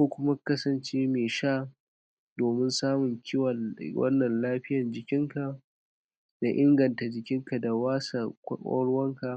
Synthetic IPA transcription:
kʷoː˦kʷʊ˦ma˦kɐ˦sɐ˨nt͡ʃeː˦meː˨ʃaː˦ | doː˨mɪ˦nsaː˦mʊ˨ŋkʲɪ˦wɐ˨nwɐ̰˦nːɐ˨nlaː˦ɸɪ˦jɐ˨nd͡ʒɪ˨kʲɪ˦ŋka˨ | da˨ʔɪ˦ŋɡɐ˨nta˨d͡ʒɪ˨kʲɪ˦ŋka˨da˨waː˦sa̰˨˦kʷʼɔ̰˦ɽʊ˦wɐ˦ŋka˨

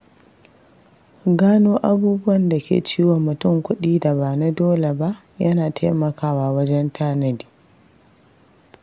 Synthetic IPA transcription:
ɡaː˦noː˦ʔa˦buː˦bʊ˦wɐ˨nda˨kʲḛː˨t͡ʃiː˦wo˨mːʊ˨tʊ˦˨ŋkʷʊ˦ɗiː˦da˨ba˨na˦doː˦le˨ba˦ʔ | jɐ˦naː˨tʰa˦jmɐ˨kaː˦waː˨wɐ˦d͡ʒɛ˦ntʰaː˦nɐ˦diː˨

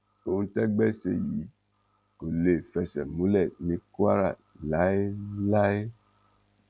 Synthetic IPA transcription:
o˨ŋũ˦tɛ˦ɡ͡bɛ˦sḛ˨ji˨˦ | ko˨le˨fɛ˧sɛ˨mu˨˦lɛ˦˨nĩ˧ka˦ɾa̰˨ | la˨˦e˦la˦e˦

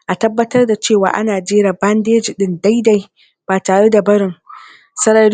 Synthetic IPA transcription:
ʔa˨tɐ˦bːɐ˦tɐ˦rda˨t͡ʃeː˦˨wa̰ː˨ʔa̰˦naː˨d͡ʒeː˦ɾa˨bɐ˦ndeː˦d͡ʒɪ˨ɗɪ˦nda˦jda˦j | b̥aː˨taː˨ɽe˦da˨bɐ˦ɽɪ˨ŋ | sɐ˦ɽɐ˦ɽ

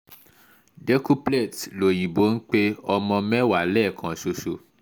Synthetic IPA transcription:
de˦ku˦ple˦˨tlo˨j̃ĩ˨bo˨˦n̩˦k͡pe˦ɔ˧mɔ̃˧mɛ̃˦wa˨lɛ˦˨kʰã˨ʃo˧ʃo˧

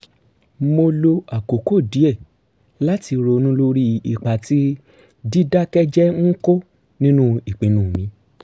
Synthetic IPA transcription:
mo˧lo˧a˨ko˨ko˦˨di˨˦ɛ˦˨ | la˦ti˧ɾo˧nũ˦lo˦ɾi˦ḭ˨k͡pa˨ti˨˦ | di˦da˦kɛ˦d͡ʒɛ˦ŋ̩˦ko˦ | nĩ˦nũ˦i˨k͡pĩ˨˦nũː˦˨mĩ˧˦

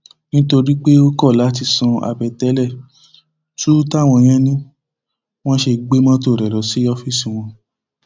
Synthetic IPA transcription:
nĩ˦to˧ɾi˦k͡pe˦o˦kɔ˦˨la˨˦t̬i˧˨sã˧a̰˨bɛ˨tɛ˨˦lɛ˦˨ | tu˦ta˦˨w̃ɔ̃˧j̃ɛ̃˦nĩ˦ | w̃ɔ̃˦ʃe˧ɡ͡be˦mã˦to˧˨ɾɛ˨lɔ˨si˨˦jɔ˦fi˦si˨w̃ɔ̃˧

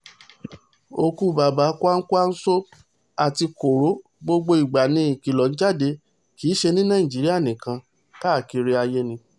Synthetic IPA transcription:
o˧ku˦ba˨˦ba˨˦ku˦a˦n̩˦ku˦a˦n̩˦so˦ | a˨ti˧ko˨ɾo˨˦ | ɡ͡bo˦ɡ͡bo˧i˨ɡ͡ba˨nĩ˧˦i˨ki˨lɔ˨n̩˦d͡ʒa˦˨de˧ | kiː˨˦ʃe˧nĩ˦nãː˦˨ĩ˨d͡ʒi˨˦ɾi˦a˦˨nĩ˨kã˧ | ta˦˨ki˧ɾi˦a˧je˦nĩ˧

